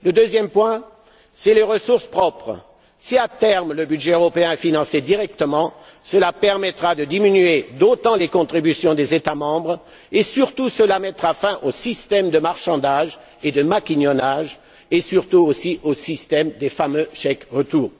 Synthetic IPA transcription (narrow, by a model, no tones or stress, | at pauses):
ləd̪øzjɛmpwɛ̃ | sɛleʁəsuʁspχɔpχə | siat̪ɛʁmləbyd̪ʒɛøʁɔpeɛ̃ɛfinɑ̃sed̪iʁɛkt̪əmɑ̃ | səlapɛʁmɛt̪χad̪əd̪iminyed̪ot̪ɑ̃lekɔ̃t̪χibysjɔ̃d̪ezet̪amɑ̃bʁ | esyʁt̪usəlamɛt̪ʁafɛ̃ʔosist̪ɛmd̪əmaʁʃɑ̃d̪aʒ | ed̪əmakʲiɲɔnaʒ | esyʁt̪uosiʔosist̪ɛmd̪efamøʃɛkʁət̪uːʁ